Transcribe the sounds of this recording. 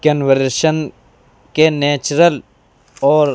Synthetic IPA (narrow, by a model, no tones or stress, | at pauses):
kɐnʋəɾʃən | keneːt͡ʃɾəl | ɔːɾ